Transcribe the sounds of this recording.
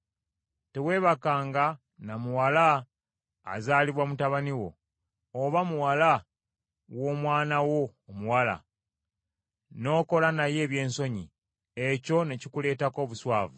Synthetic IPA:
te̞we̞ːβakaːŋɡa | namuwala̰ː | zaːliβwamutaβaniwo̞̰ː | βamuwala | wo̞ːmwaːnawo̞ːmuwala̰ | no̞ːko̞lanaje̞ːβje̞ːnso̞ɲi | eco̞ne̞cikule̞ːtako̞ːβuswaːvu

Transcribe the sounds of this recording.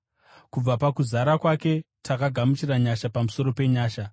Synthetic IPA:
kub͡vapakuzaɾakwake̞tʰakaɡʱamut͡ʃiraɲaʃapamuso̞ɾo̞pe̞ɲaːʃa

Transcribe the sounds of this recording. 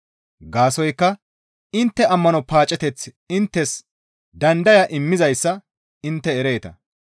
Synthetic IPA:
ɡaːsɔjkːɐ | ɪnt̪ːɛɐmːɐnɔpaːt͡ʃʼɛt̪ɛt͡s | ɪnt̪ːɛs | d̪ɐnd̪ɐjɐʔɪmːɪzɐjsːɐ | ɪnt̪ːɛːɾe̞ːt̪ɐ̰

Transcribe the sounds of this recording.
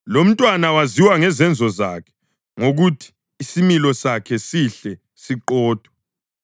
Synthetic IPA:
lom̩tʼwanawaziwaŋɛzɛnd͡zʱɔza̰kʰɛ̥ | ŋoɣutʰi̥ː | similɔsakʰɛsiɬɛ | siǃɔːd̥ʱwa

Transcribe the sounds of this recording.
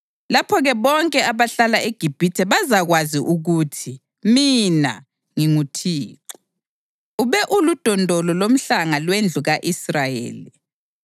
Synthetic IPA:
lapʰɔɣɛβɔŋkʼɛaβaɬalaeɡ̥ʱib̥ʱitʰɛβazaɣwaziʔuɣutʰi | mina̰ | ŋiŋutʰiːǁɔ̥ | uβɛʔulud̥ʱɔndʱɔlɔlom̩ɬaŋalwend͡ɮʱuɣaʔisrajḛːli

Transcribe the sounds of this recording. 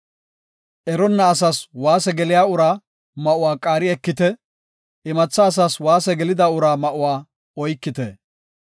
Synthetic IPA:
ʔɛɾɔnːɐːsaswaːsɛɡɛlɪjaːʊɾaː | mɐʔʊwaːkʼaːɾɪɛkːɪt̪ɛ | ɪmɐt͡sːɐːs̬aswaːsɛɡɛlɪd̪aʊɾaːmɐʔʊwaː | ɔjkːɪt̪ɛ

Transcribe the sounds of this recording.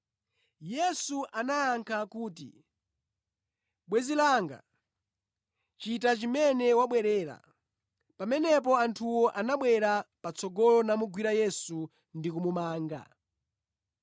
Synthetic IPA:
jɛsuʔanaːŋkʰakuːtḭ | ɓwɛzilaŋɡa̰ | t͡ʃitat͡ʃimɛnɛwaɓwɛɾɛːɾa̰ | pamɛnɛp̬ɔantʰuwɔʔanaɓwɛɾapat͡sɔɡɔlɔnamuɡwiɾajɛsu | ndikumumaːŋɡa̰

